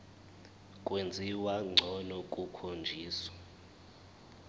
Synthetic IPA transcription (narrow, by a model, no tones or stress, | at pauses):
kʼwend͡zʱiwaŋ͡ǀʱɔnɔkʼukʰond͡ʒʱiːswḁ